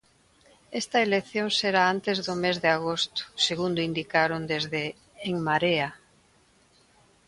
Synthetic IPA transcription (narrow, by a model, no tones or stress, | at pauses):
est̪ɐeleθjoŋseɾaant̪ezðʊmezðɪaɣost̪ʊ̥seɣund̪ʊind̪ikaɾond̪ezðeː | ŋmaɾea